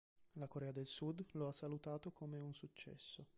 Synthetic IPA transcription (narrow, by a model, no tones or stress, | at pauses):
lakoɾɛːad̪elsud̪loasːalut̪aːt̪okomeunsut͡ʃːɛ̰sːo